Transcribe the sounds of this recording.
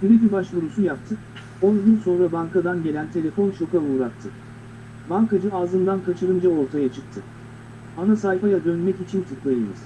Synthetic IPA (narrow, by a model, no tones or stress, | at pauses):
kiɾed̪ibaʃlˠuɾusujap̚t̪ʰɯ | onyɟʲynso̞nɾabankad̪anɟe̞lʲænt̪ʰe̞lʲe̞fo̞nʃokauːɾak̚t̪ʰːɯ | baŋkad͡ʒɯaːzɯnd̪ankʰat͡ʃʰɯɾɯnd͡ʒao̞ɾt̪ʰajat͡ʃʰɯk̚t̪ʰɯ | anasajfajad̪ø̞nmɛcit͡ʃʰint̪ʰɯklˠajɯj̪ɯ̰z̥